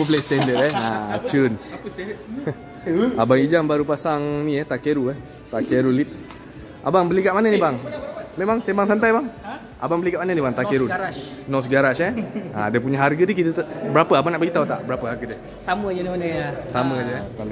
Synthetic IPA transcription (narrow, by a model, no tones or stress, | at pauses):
pəp̬əlast̪ɛndət̪̚ɛat͡ʃun | abaŋid͡ʒambaɾupasaŋnĩɛt̪aʔkeɾuɛ | t̪aʔkeɾulip̚s | ʔa̰baŋbəlikaʔmanənibaŋmemaŋsebaŋsant̪ajbaŋ | ʔa̰baŋbəlikaʔmanənibaŋt̪aʔkeɾu | nɔs̬əɡaɾaʃɛa̰dɛpuɲaɦarɡədikit̪ət̪bəɾapəabanaʔbaɡit̪aut̪aʔbəɾapəɦarɡədə | saməd͡ʒsaməd͡ʒəɛ